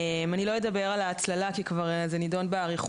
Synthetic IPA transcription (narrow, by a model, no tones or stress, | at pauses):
manilo̞jed̪abe̞ʁalaːt͡slalakikvaʁzenido̞nbeaʁiχ